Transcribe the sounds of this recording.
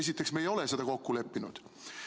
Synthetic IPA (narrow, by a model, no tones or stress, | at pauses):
es̬it̪ːˑe̞ksmejo̞lese̞d̪̥ɑko̞kːule̞pːinṵd̪̥